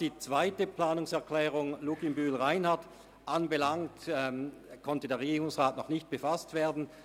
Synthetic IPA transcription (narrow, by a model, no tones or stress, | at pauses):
d̥iːt͡sv̥aɪtəplaːnʊŋsɛɐklɛːʁʊŋlukimbyːlʁaɪnhaɐt | ʔanbəlaŋtɛkʰɔntədeːɐeɡiːʁʊŋsʁaːtnɔχnɪçt̚b̥əfastv̥eːɐdn̩